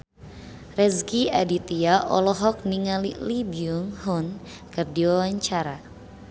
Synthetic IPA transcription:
rɛsɡia̰dit̪iaʔɔ̰lɔɦɔk̚niŋalilibiuŋhun | kɨrdiwawaɲt͡ʃaɾa

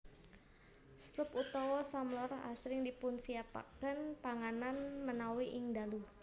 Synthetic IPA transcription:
slʊput̪ɔwɔsamlɔɾa̰sɾɪŋdipʊnsiapa̰kənpaŋananmənawiʔɪŋd̪alu

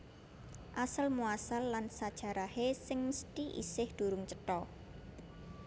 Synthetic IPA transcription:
ʔasəlmuasalːansad̥ʒ̥a̤ɾahesɪŋməst̪iʔḭsɪhd̪̥ṳɾʊŋt͡ʃət̪ɔ

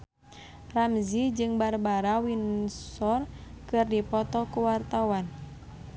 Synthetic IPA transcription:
ramzid͡ʒɨŋbarbaɾawinsɔrkɨrdipɔt̪ɔkuwart̪awan

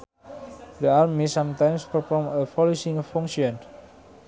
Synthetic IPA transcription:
dəalmisãmt̪ãjmspəfɔməfɔlosĩŋɔfɔŋʃiɔn

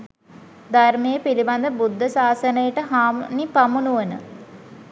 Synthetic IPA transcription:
d̪armejəpiliband̪əbud̪ʱːəsaːsənəjəʈəɦaːmnipamunuʋənə̰

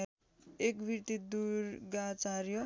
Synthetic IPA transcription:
ekbʱiɾt̪id̪uɾɡat͡saɾjʌ

